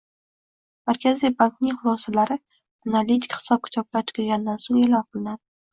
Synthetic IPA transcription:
maɾkʲʰazijbaŋknɪŋχʊlˠɒsalaɾɪ | analʲit̪ʰi̥kʲχɪ̥sɒp̚kʰʊ̥t͡ʃ̪ʰɒp̚lʲat͡ʃʰɪ̥qʰɨlɡʲand̪ansoŋelɒnqʰɨlˠɪnad̪ɪ

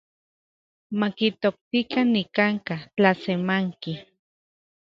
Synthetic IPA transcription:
makit̪ok̚t̪ikanːikaŋkat͡ɬasemaŋki

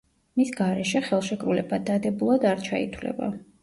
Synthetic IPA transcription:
misɡaɾɛʃɛχɛlˠʃɛkʼɾulɛbad̪ad̪ɛbulˠad̪aɾt͡ʃʰaḭt̪ʰwlɛ̰ba̰

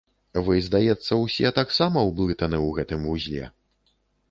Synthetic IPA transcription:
vɨjzd̪ajɛt̪sːɐwsʲɛt̪aksamɐwblˠɨt̪ɐnɨwɣɛt̪ɨmvuzʲlʲɛ̰

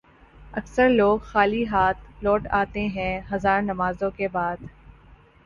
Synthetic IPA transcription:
ɐksəɾloːɡxaːliɦaːt̪lɔːʈaːt̪eɦɛ̃ɦɐzaːɾnɐmaːzõkebaːd̪

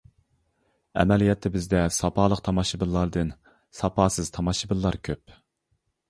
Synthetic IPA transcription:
ɛ̰mɛlijɛt̪ʰːɪbɪzd̪ɛsɑpʰɑːlˠəqt̪ʰɑmɑʃɨbɨlˠːɑɾd̪ɨn | sɑpʰɑːsɨz̥t̪ʰɑmɑʃɨbɨlˠːɑɾkʲʰøp̚

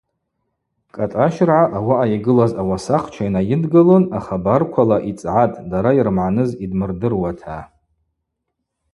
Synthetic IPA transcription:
kʼatʼaʃrʕaʔawaʔaiɡɨlazawasaχt͡ʃʷʰainajɪdɡɨlonaχabarkʷʰalaʔit͡sʼʕatʼdaɾairmʕanɨzidmɨrdɨrwatʰa

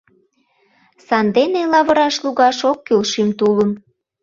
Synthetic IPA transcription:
sɑnd̪enelɑβə̆ɾɑʃluɣɑʃokːylʃimt̪uləm

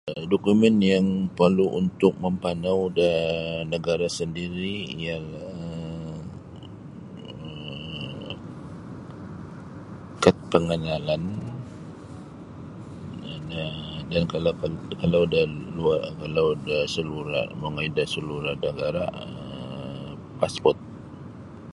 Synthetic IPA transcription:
dokumɛnjaŋpərluʔunt̪ʊk̚məmpanawdanəɡaɾasəndiɾiijala | ə | kat̪̚pəŋənalan | adankalakalawdalakalawdahsəluɾa̰məŋaidasəluɾanəɡaɾaə | paspɔt̪̚

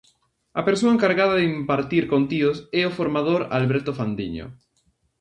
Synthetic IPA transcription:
apeɾsoaẽŋkaɾɣað̞aðimpaɾt̪iɾkont̪ioseofoɾmað̞oɾa̰lβeɾt̪ofand̪ḭɲo̰

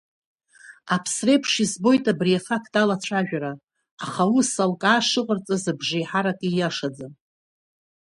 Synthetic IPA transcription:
apʰsre̞pʰʂizbo̞jtʼabriafakʰtʼalat͡ɕʷʰaʒᶣaɾaː | χawusalkʼaːʂɨqʼərt͡sʼazabʐijħaɾakʼijaʂad͡zɨn

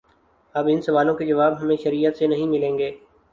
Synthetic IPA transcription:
əbɪnsəʋaːlõked͡ʒɐʋaːbɦəmẽʃəɾijət̪senɐɦĩːmɪlẽːŋɡeː

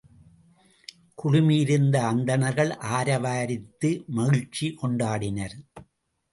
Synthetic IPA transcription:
kʊɻʊmɪjɪɾɯnd̪ɐːnd̪ɐnɐɾɣɐɭʔaːɾɐʋaːɾɪt̪ːɯmɐɣɪt͡ʃːikɔɳɖaːɽɪnɐɾ

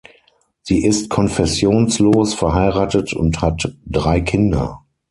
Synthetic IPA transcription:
z̥iːʔɪstkʰɔnfɛsjoːnsloːsfɛɐɦaɪʁaːtətʰʊ̰nthatd̥ʁaɪkʰɪndɐ̰

